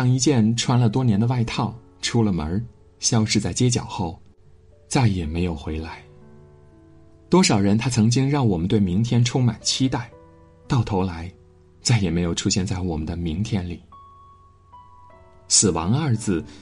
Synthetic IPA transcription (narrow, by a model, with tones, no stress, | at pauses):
ɑ˥˩ŋi˧˥t͡ɕjɛ˥˧nʈ͡ʂʰwa˥nlə˨t̪wɔ˥njɛ˧˥nd̪ə˧wa˥˧ɪt̪ʰɑ˥˩ʊ | ʈ͡ʂʰu˥lə˨mə̰˧˥ | ɕjɑ˥ʊʂɻ̩˥˧t͡sa˥˩ɪt͡ɕjɛ˥t͡ɕjɑ̰˨˩ʊxo˥˩ʊ | t͡sa˥˩ɪjɛ˨˩me˧˥ɪjo˨˩ʊxwe˧˥ɪla˧˥ɪ | t̪wɔ˥ʂɑ˨˩ʊɻə˧˥nt̪ʰa˥t͡sʰɤ˧˥ŋt͡ɕi˥ŋɻɑ˥˩ŋwɔ˨˩mə˦nt̪we˥˩ɪmi˧˥ŋt̪ʰjɛ˥nʈ͡ʂʰʊ˥ŋma̰˨˩nt͡ɕʰi˥t̪a˥˩ɪ | t̪ɑ˥˩ʊt̪ʰo˧˥ʊla˧˥ɪ | t͡sa˥˩ɪjɛ˨˩me˧˥ɪjo˨˩ʊʈ͡ʂʰu˥ɕjɛ˥˧nt͡sa˥˩ɪwɔ˨˩mə˦nd̪ə˧mi˧˥ŋt̪ʰjɛ˥nli˨˩˦ | sɹ̩˨˩wɑ̰˧˥ŋə˥˧d͡zɹ̩˩